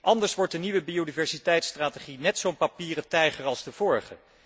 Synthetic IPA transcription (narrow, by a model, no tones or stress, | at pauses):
ʔɑndəɹsʋɔɹt̚dəniʋəbiodivɛɹsitɛjtstraːteχinɛtsownpapiːrətɛjχəɹɑlˠstəv̥ʊːɹχə̰